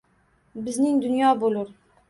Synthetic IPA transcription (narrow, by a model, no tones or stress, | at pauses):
bɪznɪŋd̪ʊnjɒbolˠʊɾ